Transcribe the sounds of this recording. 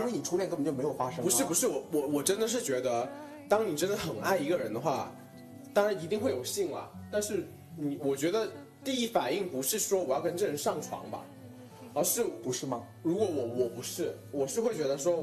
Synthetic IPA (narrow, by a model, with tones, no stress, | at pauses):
i˥wn˨˩ʈ͡ʂʰu˥jɛ˥˩nkə˥˧ə˨˩t͡ɕo˥˩m˧˥ɪjo˨˩fa˥ʂə˥pu˧˥ʂɻ̩˥˩pu˧˥ʂɻ̩˥˩wɔ˧˩wɔ˨˧˩wɔ˨˩ʈ͡ʂə˥nd̪ə˨ʂ̬ɻ̩˥˩t͡ɕɥɛ˧˥d̪ə˧ | t̪ɑ˥ŋni˨˩ʈ͡ʂə˥nd̪ə˨xə˨˩na˥˩ɪi˧˥ɡə˧ɻə˧˥nd̪ə˧xwa˥˩ | t̪ɑ˥ŋɻa˧˥ni˧˥t̪i˥˧ŋxwe˥˩ɪjo˨˩ʊɕi˥˩ŋlə̰˩t̪a˥˧nʂɻ̩˥˩ | ni˨˩˦wɔ˨˩t͡ɕɥɛ˧˥d̪ə˧ | t̪i˥˧i˥˩fa˨˩ni˥˩ŋpu˧˥ʂɻ̩˥˩ʂwɔ˥wɔ˨˩jɑ˥˩ʊkə˥ʈ͡ʂɤ˥˩ʂ̩˧˥ʂɑ˥˩ŋʈ͡ʂʰwɑ̰˧˥ŋbɐ̰˧ | ə˧ʂɻ̩˥˩pu˧˥ʂɻ̩˥˩mɐ˨˩ | ɻu˧˥kwɔ˧˥wɔ˧˥wɔ˨˩pu˧˥ʂɻ̩˥˩wɔ˨˩ʂɻ̩˥˧xwɪt͡ɕɥɛ˧˥d̪ə˧ʂ̬wɔ˥